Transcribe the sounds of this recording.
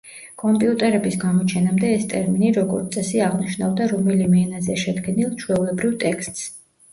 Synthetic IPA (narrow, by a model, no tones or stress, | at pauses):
kʼɔmpʼiut̪ʼɛɾɛbisɡamɔt͡ʃʰɛnamd̪ɛːst̪ʼɛɾminiɾɔɡɔɾt̪sʼɛsiaʁniʃnavd̪aɾɔmɛlimɛnazɛʃɛd̪ɡɛnilˠt͡ʃʰwɛulɛbɾivt̪ʼɛkst̪ʼs